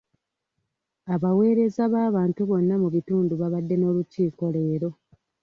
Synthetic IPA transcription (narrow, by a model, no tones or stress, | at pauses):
aβawe̞ːɾe̞zaβaːβaːntuβo̞nːamuβituːnduβaβadːe̞no̞ːluciːko̞le̞ːɾo̞